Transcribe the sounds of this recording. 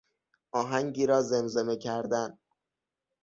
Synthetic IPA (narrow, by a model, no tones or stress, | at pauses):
ʔɒːɦæŋɟiːɾɒːzemzeme̞cʰæɾd̪æn